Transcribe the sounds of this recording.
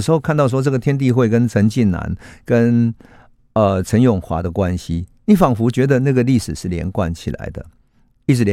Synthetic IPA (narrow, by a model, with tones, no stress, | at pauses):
ʂɻ̩˧˥xo˥˧ʊkʰa˥˧nt̪ɑ˥˩ʊʂ̬wɔ˥ʈ͡ʂɤ˥˩ɡə˩t̪ʰjɛ˥nt̪̬i˥˧xwe˥˩ɪkə˥˦nt͡sʰə˧˥nt͡ɕi˥˩nna̰˧˥nkə˦n | ə˩t͡sʰə˧˥njʊ˨˩ŋxwa̰˧˥d̪ə˨kwa˦nɕi˦ni˨˥˦fɑ˨˩ŋfu˧˥t͡ɕɥɛ˧˥d̪ə˨na˥˩ɡə˨li˥˩ʂɻ̩˨˩ʂɻ̩˥˩˨ljɛ̰˧˦nkwa˥˩nt͡ɕʰi˨˩la̰˨˧˥ɪd̪ə̰˨ | i˥˩ʈ͡ʂɻ̩˧˦lɛ˧